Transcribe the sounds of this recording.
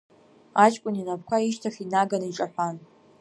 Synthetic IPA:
at͡ʃʼkʷʼʊninap̚ʰkʷʰaiʃtʰaχinaɡaniʈ͡ʂʼaħʷan

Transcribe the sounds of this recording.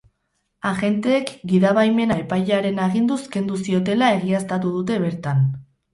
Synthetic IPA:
aɣe̞nt̪e̞ːkɡiðaβajme̞nae̞pajʎaɾe̞naɣind̪uske̞nd̪usio̞t̪e̞lae̞ɣiast̪at̪̬uðut̪e̞β̞e̞ɾt̪an

